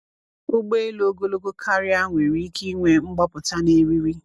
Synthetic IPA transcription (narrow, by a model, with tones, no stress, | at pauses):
o˦ɡ͡be˦e˦lo˦ɡo˦lo˦ɡo˦kʰa˦ɾi˦a˦ŋʷe˨ɾi˦ki˦ŋʷe˦ŋ͡m̩˦ɡ͡bɔ˦pʊ˨ta˦ne˦ɾi˦ɾi˦